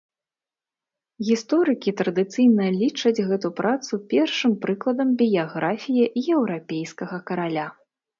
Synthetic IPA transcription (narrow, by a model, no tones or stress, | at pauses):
ɣʲist̪ɔɾɨkʲit̪ɾɐd̪ɨt̪sɨjnɐlʲit͡ʂɐd͡zʲɣɛt̪upɾʔat̪supʲɛrʂɨmpɾɨklˠɐd̪ɐmbʲijaɣɾafʲijɛʔiɛwɾapʲejskɐɣɐkɐɾalʲa